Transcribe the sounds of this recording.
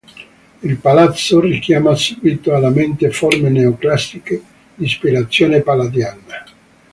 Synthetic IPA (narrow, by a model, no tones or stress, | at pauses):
ilpalat̪sːorik̟jaːmasuɡwit̪oalːament̪eformeneoklast̪ike | d̪ispiɾat̪sːjoːnepalad̪jaːna